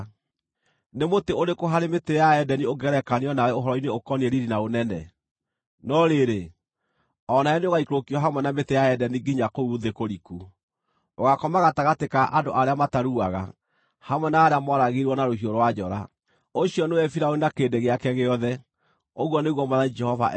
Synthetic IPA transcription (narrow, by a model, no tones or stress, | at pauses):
nemoteoɾekoɦaɾemetejaɛdɛnioɡɛɾɛkaneɔnaɛoɦɔɾɔineokɔniɛɾiɾinaonɛnɛ̰ | nɔɾeɾe | ɔnaɛneoɣaikɾokiwɔɦamwɛnametejaɛdɛniɡiɲakouðekoɾiku | oɣakɔmaɣataɣatekaʔandoʔaɾeamataɾuaɣa̰ | hamwɛnaːɾeamwaɾaɣeɾwɔnaɾohioɾowad͡ʒɔɾa̰ | oɕiɔnewɛfiɾaoinakeːndeɣeakɛɣeɔðɛ | oɣwɔneɣwɔmaðanid͡ʒɛhɔva̰ʔ